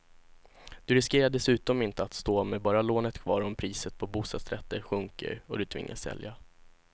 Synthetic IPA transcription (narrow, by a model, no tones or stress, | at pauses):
d̪̥ɵɾɪskeːɾaɖ̪ɛsʉ̟ːt̪ɔmɪnt̪əat̪st̪oːmɛbɑːɾaloːnət̪kʰvɑ̰ːɾɔmpʰɾiːsət̪̚pʰɔbuːst̪ɑːd̪sɾɛt̪ːəɧɵŋkə̰ɾɔd̪ɵt̪ʰv̥ɪ̰ŋːʔa̰sːɛ̰lja